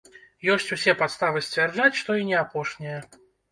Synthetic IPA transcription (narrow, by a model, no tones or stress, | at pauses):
jɔsʲt͡sʲusʲɛpat̪st̪avɨsʲt͡sʲvʲɛrd͡ʐat͡sʲʂt̪ɔinʲɛapɔʂnʲijɐ